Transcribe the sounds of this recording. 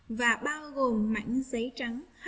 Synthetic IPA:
vaː˨˩ɓaː˧wɣo˨˩mːa̰˧˥ŋzə˨˦jt͡ɕə˨˦ŋh

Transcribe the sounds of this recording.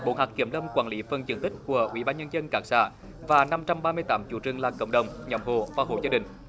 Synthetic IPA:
ɓo̰˧˦nɦaː˨˩k̚ki˧˩əmlə˧mkwaː˧˩nli˨˦fə˨˩nzɨ̰˨˩ŋt̪i˦˥k̟̚ku˧˩əʔwḭ˧˦ɓaː˧nɲə˧nzə˧nkaː˨˥k̚sa̰ː˧˥ | vaː˨˩na˧mt͡ɕa˧mɓaː˧mɨ˧əjt̪aː˨˦mt͡ɕṵ˧˥t͡ɕɨ˨˩əŋlaː˨˩kə̰˧˩wŋ͡mɗə˨˩wŋ͡mɲɔ˨˦mɦo̰˧˨vaː˨˩ho̰˧˨zaː˧ɗï˨˩ŋ̟

